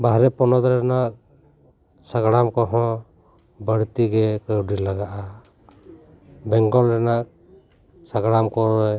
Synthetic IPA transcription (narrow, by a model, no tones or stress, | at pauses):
baɦɾɛpɔnɔd̪ɾɛnak̚ | saɡɽamkɔɦɔ̃ | bəɽt̪iɡɛkəwdilaɡaʔa | bɛŋɡɔlɾɛnak̚ | saɡɽamkɔɾɔj